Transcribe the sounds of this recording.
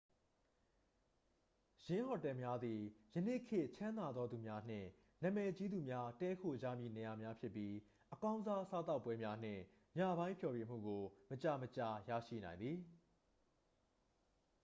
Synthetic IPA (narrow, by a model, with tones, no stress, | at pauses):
jɪ̃˦hɔ˨tɛ˨mja˦d̪i˨jə˨nḛ˦˨kʰɪ˦˨ʔt͡ɕʰã˦nd̪a˨d̪ðɔ˦d̪u˨mja˦n̥ɪ̰̃˦˨ | nã˨mɛ˨t͡ɕi˦d̪u˨mja˦tɛ˦kʰo˨d͡ʑa̰˦˨mjḭ˦˨nɛ˨ja˨mja˦pʰjɪ˦pːji˦ | ʔəkã˦ʊ̃nza˦sa˦t̪a˦ʊpːwɛ˦mja˦n̥ɪ̰̃˦˨ | ma˦˨bã˦ɪ̃mpʰjɔ˨jɥe˨m̥ṵ˦˨ɡo˨mət͡ɕa˨mət͡ɕa˨ja̰˦˨ʃḭ˦˨nã˨ɪ̃nd̪ði˨